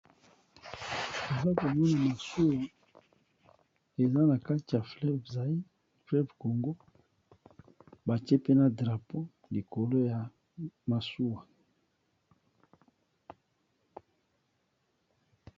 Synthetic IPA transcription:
e˨za˦ko˨mɔ˦na˨ma˨su˦wa˨ | e˨za˦na˨ka˦ti˨ja˨flɛ˦bza˨i˦ | flɛ˦bko˨ŋɡo˦ | ba˨ti˦e˦pe˦na˨dʁa˨po˦ | li˨ko˨lo˦ja˨ | ma˨su˦wa˨

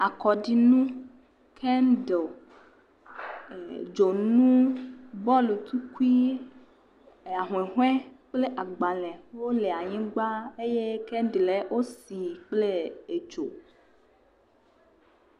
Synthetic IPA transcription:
a˨kɔ˨ɖi˨nũ˦ | kʰɛ˦nɖe˨ | d͡ʒo˨nũ˦bɔ˦lu˨t̪u˦ku˦i˦˨ | a˨ɦw̃e˨ɦw̃ɛ̃˦k͡ple˦ʔa˨ɡ͡ba˨lɛ̃˨wo˦le˨a˨ɲĩ˦ɡ͡ba˦e˦je˦kɛ˦n˦dle˦wʔo˦si˨k͡ple˦e˨d͡ʒo˨

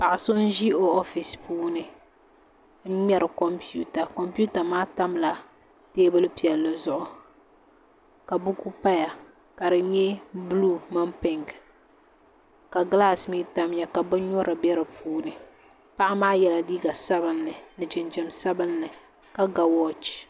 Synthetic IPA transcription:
pa˨ʔɪ˨so˦n̩˦ʒi˦o˦ɔ˦fi˨spuː˦nɨ˦ | ɲɛ˦ɾɨ˨kɔ˨mpi˦u˦ta˨kɔ˨mpu˦ta˨maː˦ta˦mla˨ | teː˦bɨ˦lɨ˦pi˨ɛ˨lːɨ˨zʊ˦ʔʊ˦ | ka˨bu˦ku˦pa˦ja˨ | ka˨dɨ˨ɲɛ˦blu˦˨ma˦mpɪ˨ŋɡ | ka˨ɡla˦smiː˦ta˦m˦ja˨ka˨bɨ˦ɲɔ˦ɾʔɨ˨bɛ˦ɾɨ˨pʰuː˦nɨ˨ | pa˦ʔa˦maː˦jɛ˨la˨liː˦ɡa˨sa˦bɨ˨nːɨ˨nɨ˨d͡ʒɪ˨nd͡ʒɪ˨msa˦bɨ˦nːɨ˨ | ka˨ɡa˨wɔ˦t͡ʃ

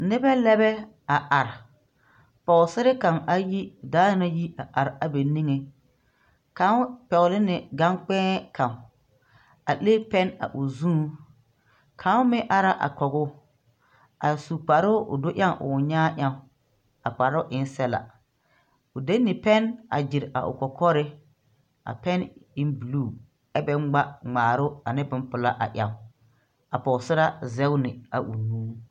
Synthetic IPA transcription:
nɪ˦bɛ˦lɛ˦bɛ˦ | a˨ʔa˨ɾ | pɔ˨ʊ˨sɪ˦ɾɪ˦ka˨ŋa˦ji˦daː˦na˦ji˦a˨ʔa˨ɾa˨be˨ni˦ŋe˨ | ka˨˦pɛ˨ʊ˨lɪ˦nɪ˨ɡa˦ŋk͡pɛ̃ː˦kʰã˨ | a˨leː˦pɛ˦na̰˨ʔʊ˨zũː˦ | kʰa˨˦ʊ˦mɪ˦ʔa˦ɾa˦ʔa̰˨kɔ˨ɣʊ˦ | a˨su˨k͡pa˨ɾʊ˦ʔʊ̰˨do˦ʔja˦ŋʔʊ̰˨ɲaː˦ʔa˦ | a˨k͡pa˨ɾʊ˦ʔɪ˨n˦sɛ˦la̰˨ | ʊ˨de˦nːɪ˨pɛ˦na̰˨d͡ʒɪ˨ɾa̰˨ʔʊ̰˨kɔ˨kʰɔ˦ɾɪ˦ | a̰˨pɛ˦nɪ˦nbu˨luː˦˨ | ɛ˦bɛ˦ŋ͡mɡ͡ba˦ŋ͡maː˨ɾʊ˦a˨nɪ˦bɪ˦mpʊ˨la˦ʔa̰˨ʔʲja˨ | a˨pɔ˨sɪ˦ɾa˦zɛ˦ʊ˦nɪ˨a̰˨ʔu˨nũː˦

